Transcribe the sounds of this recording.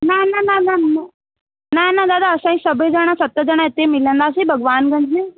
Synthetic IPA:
nanananana | nanad̪aːd̪aəsãːĩsɐbəd͡ʒaɽ̃asɐt̪ːəd͡ʒɐɽ̃ãet̪ːemɪlə̃nd̪aːs̬ibʱɐɡʋaːnɡɐ̃ɲd͡ʒne

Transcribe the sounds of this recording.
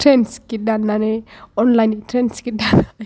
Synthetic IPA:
tɾɛnskɪdanːanɛɔnlajntɾɛnskɪdana

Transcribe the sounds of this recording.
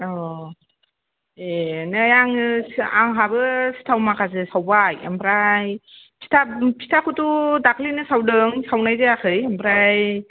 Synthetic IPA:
ɔ | enɯjaŋɯsa̰ŋɦabɯsi̥tʰawmakʰazɯsawbaja̰mpʰɾaj | pʰi̥tʰapʰi̥tʰakʰɯtudakʰlinɯsawdɯŋsawnajzɯakʰɯjampʰɾaj

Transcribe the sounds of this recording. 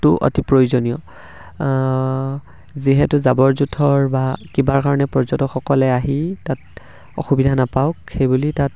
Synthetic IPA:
tʊʔo̰tipɹojuzonijɔ | ziɦɛtʊzabɔɹzutʰɔɹbakibaɹkaɹɔnɛpɔɹzɔtɔxɔkɔlɛaɦitat | ɔ̰xubidʱanapaʊkxejbulitat̚

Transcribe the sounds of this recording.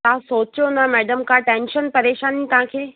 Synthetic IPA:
t̪ːãsoːt͡ɕjonamɛːɖəmkaʈẽːnʃənpɐɾeːʃaːnit̪ɐɦãkʰeː

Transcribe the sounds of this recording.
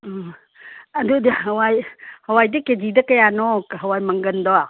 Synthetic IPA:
ɐdudɦɐwajhɐwajdɐked͡ʒidɐkɐjanɔkɦɐwajmɐŋɡɐndɔa

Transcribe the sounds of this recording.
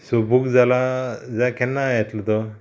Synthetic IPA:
sobʱukd͡zalad͡zakɛnːajat̪lət̪ɔ

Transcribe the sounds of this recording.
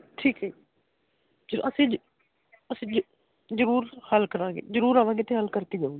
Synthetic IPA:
ʈʰiːkɛ | d͡ʒɾʔəsĩːd͡ʒ | əsĩd͡ʒ | zəɾuːɾhəlkəɾãːɡḛzəɾuːɾaːʋãːɡeːt̪eɦəlkəɾt̪id͡ʒaːũːɡi

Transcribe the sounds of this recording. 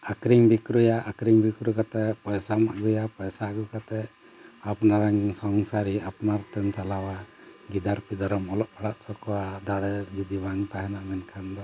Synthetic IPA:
akɾiŋbikɾujaʔakɾiŋbikɾukat̪ɛpɔjsamaʔɡujapɔjsaɡukat̪ɛ | apnaɾaŋsɔŋsaɾiapnaɾt̪ɛmt͡ʃalawaɡid̪aɾpid̪aɾɔmɔlɔʔ̚pʰaɽaʔsɔkɔwad̪aɽɛd͡ʒud̪ibaŋt̪aɦɛnaʔmɛnkʰand̪ɔ

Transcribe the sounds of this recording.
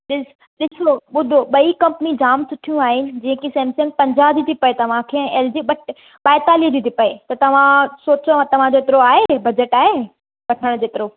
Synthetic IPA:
ɗɪs | ɗɪsoɓʊd̪ʱoɓɐikɐ̃mpnid͡ʑaːmsʊʈʰijũaːɦɪnɪ̆d͡ʑĩːẽkisẽːmsɪ̃ŋɡ̚pɐ̃ɲd͡ʑaːɦd͡ʑit̪ʰipɐet̪ɐʋ̤ãkʰeɛ̃ʔeːld͡ʑiɓɐʈ | ɓaːɪt̪aːlid͡ʑit̪ʰipɐet̪ɐt̪ɐʋ̤ãsoːt͡ɕoɐʋãt̪ɐʋ̤ãd͡ʑoɪt̪ɪɾoaːɦebɐd͡ʑəʈaːɦe | bɐʈʰəɽ̃d͡ʑoːt̪ɪɾo

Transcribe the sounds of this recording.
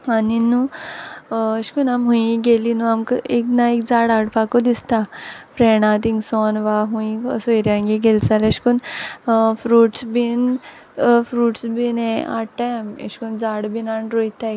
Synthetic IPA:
aninu | əɕkunamɦũĩɡelinũamkəeknaik̚d͡zaɽaɽpakod̪ist̪afɾɛɳãt̪̬ĩŋɡsɔnʋaɦũĩsɔjɾjãŋɡiɡelt͡saleɕkun | fɾuːʈsbin | fɾuːʈsbinẽa̰ʈaam̰ɕkund͡zaɽbinaɳʈɾojt̪a

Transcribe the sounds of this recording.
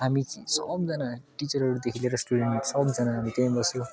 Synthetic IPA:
ɦamit͡sisʌ̰b̚d͡zʌnaʈit͡sʌrɦʌɾud̪ekʰileɾʌsʈuɽeɳʈsʌbd͡zʌnaɦamit̪eãbʌsjõ

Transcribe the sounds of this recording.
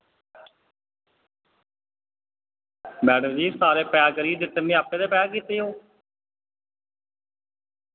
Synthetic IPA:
bɛːɽəd͡ʒiːsaːɾeːpɛaːɡəɾiːd̪ɪt̪ːənːẽːaːpːẽːd̪eːpɛːakiːt̪eːɦoː

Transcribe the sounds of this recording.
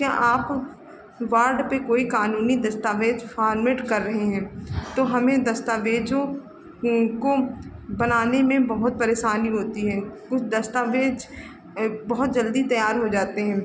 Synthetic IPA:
kja̰ːʔaːp | ʋaːɾɖpekoːikaːnuːnid̪ɐst̪aːʋeːd͡ʒfʰaːɾmeːʈkɐɾːɐɦeɦɛ̃ːt̪oɦɐmẽd̪ɐst̪aːʋeːd͡ʒõ | kobɐnaːnemẽbɐɦʊt̪̚pɐɾeːʃaːniɦoːt̪iɦɛ̃ːkʊt͡ʃʰd̪ɐst̪aːʋeːd͡ʒ | bɐɦʊt̪̚d͡ʒɐld̪it̪ɐjaːɾɦod͡ʒaːt̪eɦɛ̃ː

